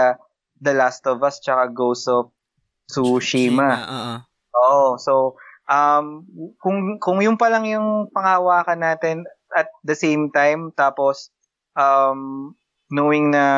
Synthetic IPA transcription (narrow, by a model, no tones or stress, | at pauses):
d̪ɐlast̪ɔvɐst͡ʃɐkaɡowsɔp̚ | t̪ʰuʃiːmɐ | ʔoʔosoʔɐmkʊŋkʊŋjʊmpɐlɐŋjʊŋpɐŋawaːkɐnːaːt̪ɛn | ʔɐt̪̚d̪ɐsẽjmt̪ajmt̪aːpos | ʔɐm | noːwɪŋnɐ